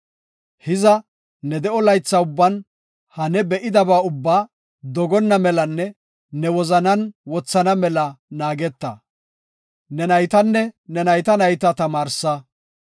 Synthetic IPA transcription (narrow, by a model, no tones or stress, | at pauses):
hɪzɐ | nɛd̪ɛʔɔlɐjt͡sːɐʊbːɐn | hɐnɛbɛʔɪd̪ɐbaːʊbːaː | d̪ɔɡɔnːɐmɛlɐnːɛ | nɛwɔzɐnɐnwɔt͡sːɐnɐmɛlɐnaːɡɛt̪ːɐ | nɛnɐjt̪ɐnːɛnɛnɐjt̪ɐnɐjt̪ɐt̪ɐmaːɾsɐ